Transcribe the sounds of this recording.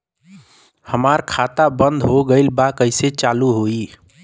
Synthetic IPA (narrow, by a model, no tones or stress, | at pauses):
həmaɾkʰat̪abənd̪ʱɦoɡəɪlbakəɪset͡ʃaluɦoi